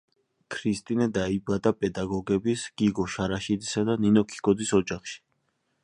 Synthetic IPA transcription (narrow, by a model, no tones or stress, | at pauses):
kʰɾist̪ʼinɛd̪aibad̪apʼɛd̪aɡɔɡɛbisɡ̥iɡɔʃaɾaʃid̪isad̪aninɔkʰi̥kʼɔd̪isɔd͡ʒaχʃi̥